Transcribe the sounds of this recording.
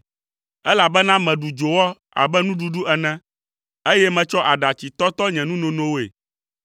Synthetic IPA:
ɛ˦la˨bɛ˦nã˦mɛ̃˨ɖu˨d͡ʒo˨wɔ˦ | a̰˨bɛ˦nũ˦ɖu˦ɖu˦ɛ˨nɛ̃˦ | e˦jɛ˦mɛ̃˨t͡ʃɔ˦ʔa˨ɖa˨t͡ɕi˨t̪ɔ˦t̪ɔ˦ɲɛ̃˨nũ˦nõ˨nõ˦wo˦ḛ˨

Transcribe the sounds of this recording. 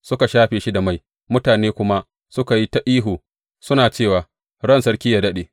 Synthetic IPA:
sʊ˦ka˨ʃaː˦ɸeː˨ʃi˦da˨ma˦˨j | mʊ˦taː˨neː˦kʷʊ˦ma˦ | sʊ˦ka˨ji˦ta˦ʔiː˦ɦuː˨ | sʊ˦naː˨t͡ʃeː˦˨waː˨ | ɽɐ˦˨nsɐ˦ɽkʲi˦jaː˨dɐ˦ɗeː˨

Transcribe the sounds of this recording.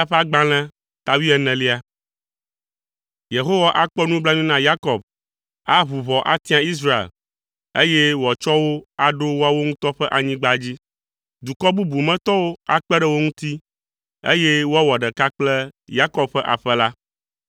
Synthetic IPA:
a˦ɸa˦ɡ͡bã˦l̃ɛ̃˦ | t̪a˨wi˦ɛ˦nɛ̃˨li˦a˨ | je˨ɦo˦wa˦ʔa˦k͡pɔ˦nũ˦bla˦ɲĩ˦nã˦ja˦kɔ˨b̚ | a˦βu˨βɔ˨ʔa̰˦t̪ĩ˦ã˨i˦s̬ɾa˦ḛ˨l | ḛ˦je˦wɔ˨t͡ʃɔ˦wo˦a˨ɖo˦wo˦a˦wo˦ŋũ˦t̪ɔ˦ɸɛ˦ʔa˨ɲĩ˦ɡ͡ba˦d͡ʑi˦ | d̪u˨kɔ˦bu˦bu˨mɛ̃˦t̪ɔ˦wo˦a˦k͡pɛ˦ɖɛ˦wo˦ŋũ˦t̪i˦ | ḛ˦je˦wo˦a˦wɔ˨ɖɛ˨ka˦k͡plɛ˦ja˦kɔ˦b̚ɸɛ˦ʔa̰˨ɸɛ˦la˦

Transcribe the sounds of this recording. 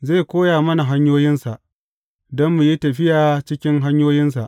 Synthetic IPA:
ze˦˨kʷoː˦jaː˨mɐ˦na˨ɦa˦ɲjoː˦jɪ˦nsa˨ʔ | dɔ˦mːu˨ji˦tɐ˨ɸɪ˦jaː˨t͡ʃɪ˦kʲɪ˦ŋɦa˦ɲjoː˦jɪ˦nsa̰˨ʔ

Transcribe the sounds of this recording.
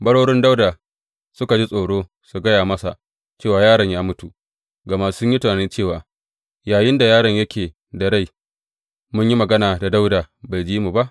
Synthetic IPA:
bɐ˦ɽoː˦ɽɪ˦nda˦wdaː˨ | sʊ˦ka˨d͡ʒi˦sʼoː˨ɽoː˦ | su˨ɡɐ˦jaː˨mɐ˦sa̰˨ʔ | t͡ʃeː˦˨waː˨jaː˦ɾɐ˨ɲjaː˦mʊ˦tu˨ʔ | ɡɐ˨ma˦sʊ˦ɲji˦ta˨a˨ni˦t͡ʃeː˦˨waː˨ | jaː˨jɪ˦nda˨jaː˦ɽɐ˨ɲjɐ˦kʲeː˨ | dɐ˨ɽa˦j | mʊ˦ɲji˦mɐ˨ɡɐ˦naː˨da˨da˦wdaː˨ba˨jd͡ʒiː˦mu˨ba˦ʔ

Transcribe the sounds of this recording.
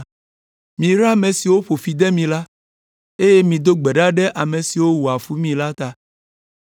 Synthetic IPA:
mĩ˨ɾa˦mẽ˨si˨wo˦ɸo˨fi˨d̪ɛ˦mĩ˨la˦ | e˦je˦mĩ˨d̪o˦ɡ͡bɛ˨ɖa˦ɖɛ˦ʔa˨mẽ˨si˨wo˦wu˨a˨fu˦mĩ˨la˦t̪a˨

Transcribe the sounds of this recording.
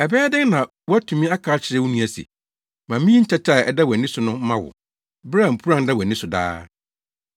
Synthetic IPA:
ɛ˨bɛː˦dɪ̃˦ŋnã˨ | wɔ˦æ˦tʰũ˨mĩ˦a˦kʰaː˦t͡ɕʰɪ˨ɾɛ˦wʊ˦nũ˦æ˨sḭ˨ | mã˨mĩ˦ɲ̩˦t͡ɕʰɛ˦t͡ɕʰa˦˨ɛ˨da˦wæ˨nɪ̃˦sʊ˨nʊ̃˦mã˦wʊ̰˨ | bɾa˦˨m̩˨pʰu˦ɾã˦nda˦˨wæ˨nɪ̃˦sʊ˨da̰ː˦

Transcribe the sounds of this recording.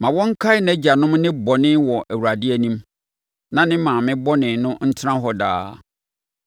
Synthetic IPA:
mã˨wɔ̃˦ŋ̩˦kʰa˦ɪ˦næ˦d͡ʑa˨nʊ̃˦mnɪ̃˦bɔ˨nɪ̃˦wɔ˨ʔæ˨wu˨ɾa˨dɪ˦æ˦˨nĩ˦m | nã˨nɪ̃˦mãː˨mɪ̃˦bɔ˦nɪ̃˨nʊ̃˦n̩˦tʰɪ˦ã˦ɦɔ˦da̰ː˦

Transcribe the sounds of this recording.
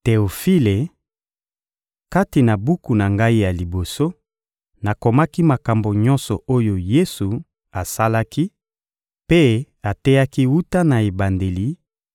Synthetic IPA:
te˨o˨fi˦le˨ | ka˦ti˨na˨bu˦ku˨na˨ŋɡa˦i˦ja˨li˨bo˨so˦ | na˨ko˨ma˦ki˦ma˨ka˨mbo˨ɲɔ̃˦nsɔ˨o˦jo˨je˦su˨ | a˨sa˦la˦ki˦ | pe˦ | a˨tɛ˦ja˦ki˦wu˦ta˦na˨e˨ba˨nde˨li˨

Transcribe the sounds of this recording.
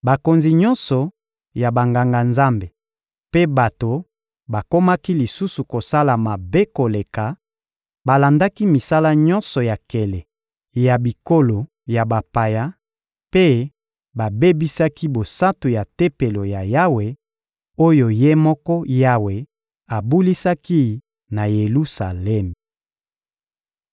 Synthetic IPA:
ba˨ko˨nzi˨ɲɔ˦nsɔ˨ | ja˨ba˨ŋɡa˨ŋɡa˨nza˦mbe˨ | pe˦ba˨to˨ | ba˨ko˦ma˦ki˦li˨su˦su˨ko˨sa˦la˨ma˨be˦ko˨le˨ka˨ | ba˨la˨nda˦ki˦mi˨sa˦la˦ɲɔ˦nsɔ˨ja˨ke˨le˨ | ja˨bi˨ko˦lo˨ | ja˨ba˨pa˨ja˦ | pe˦ | ba˨be˦bi˦sa˦ki˦bo˨sa˦tu˨ja˨te˦pe˨lo˨ja˨ja˦we˨ | o˦jo˨je˦mɔ˦kɔ˦ja˦we˨ | a˨bu˦li˦sa˦ki˦ | na˨je˨lu˦sa˨lɛ˦m

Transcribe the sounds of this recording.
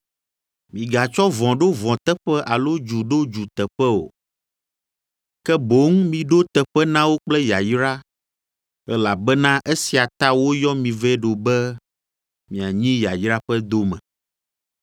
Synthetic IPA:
mĩ˨ɡa˨t͡ʃɔ˦vɔ̃˨ɖo˦vɔ̃˨t̪ɛ˦ɸɛ˦ʔa˨lo˦d͡ʒu˨ɖo˦d͡ʒu˨t̪ɛ˨ɸɛ˦o̰˨ | kɛ˦bo˨˦ŋ˦mĩ˨ɖo˦t̪ɛ˨ɸɛ˦nã˦wo˦k͡plɛ˦ja˨jɾa˦ | ɛ˦la˨bɛ˦nã˦ʔe˦si˨a˨t̪a˦wo˦jɔ˦mĩ˨vɛ˦ɖo˨bɛ˦ | mĩ˨a˨ɲĩ˦ja˨jɾa˦ɸɛ˦d̪o˦mɛ̰̃˨

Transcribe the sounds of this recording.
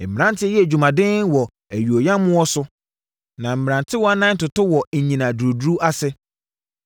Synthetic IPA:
m̩˨mɪ˨ɾã˦ntʰɪ˦jɛ˦æ˨d͡ʑu˨mã˨dɪ̃˦nwɔ˨ | æ˨ɥu˨o˨jã˦mʊ̃˦ɔ˦sʊ˦ | nã˨m̩˨mɪ˨ɾã˨ntʰɪ˦wɔ˦a˦nã˦n̩˦tʊ˨tʊ˦wɔ˨ɲĩ˨nã˨du˨ɾo˨du˦ɾu˦a˦sɪ˦

